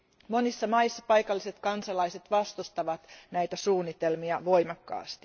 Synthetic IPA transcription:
monisːɑmɑisːɑpɑjkɑlːise̞t̪kɑnsɑlɑiset̪ʋɑst̪ust̪ɑʋɑt̪næjt̪æsuːnːit̪e̞lmiɑʋo̞jmɑkːɑ̰ːst̪i̥

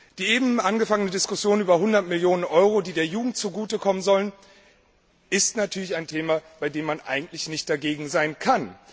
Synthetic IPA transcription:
d̥iːeːbm̩ʔanɡəfaŋənədɪskʊsjoːnʔyːbɐɦʊndɐtmɪljoːnənʔɔʏʁodiːdeːɐjuːɡŋ̩tt͡suɡuːtəkʰɔmənzɔlən | ʔɪstnatʰyːɐlɪçaɪntʰeːmab̥aɪdeːmːanʔa̰ɪɡŋ̩tlɪçnɪçt̚d̥aɡeːɡŋ̩zaɪnkʰan

